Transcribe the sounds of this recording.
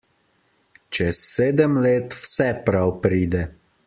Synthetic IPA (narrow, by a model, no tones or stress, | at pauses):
t͡ʃɛsːeːd̪əmleːt̪wsɛpɾawpɾiːd̪ɛ